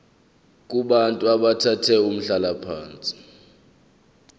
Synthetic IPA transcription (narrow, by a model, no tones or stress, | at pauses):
k̬ʼuɓantʼuaɓatʰatʰɛum̩ɬalapʰaːnt͡sʼi̥